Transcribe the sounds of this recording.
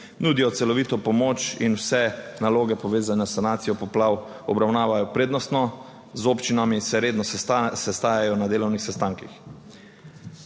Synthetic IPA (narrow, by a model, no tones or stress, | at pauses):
nuːd̪ijɔt̪sɛlɔʋiːt̪ɔpɔmoːt͡ʃḭnwsɛnaloːɡɛpɔʋeːzanɛsːanaːt̪sijɔpɔplaw | ɔbɾawnaːʋajɔpɾeːd̪nɔst̪nɔ | zoːpt͡ʃinamisɛɾeːd̪nɔsɛst̪aːjajɔnad̪eːlɔwnixsɛst̪aːŋkix